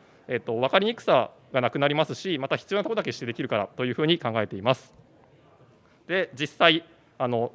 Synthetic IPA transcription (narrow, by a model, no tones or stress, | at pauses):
e̞t̪ːo̞β̞akaɾʲiɲ̟ikɯ̥sa | ɡanakɯ̟naɾʲimasɨɕimat̪açi̥t͡sɨjo̞nat̪ood̪ake̞ɕi̥t̪ːeekʲiɾɯ̟kaɾa̰t̪o̞jɯ̟ːɸɯ̟ːɲ̟ikãŋɡae̞t̪e̞imasɨ̥ | d̪̥e̞d͡ʑisːai | ano̞